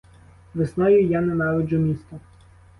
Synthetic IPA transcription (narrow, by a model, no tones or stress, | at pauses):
ʋɪsnɔjʊjanɛnɑʋɪd͡ʒʊmʲist̪ɔ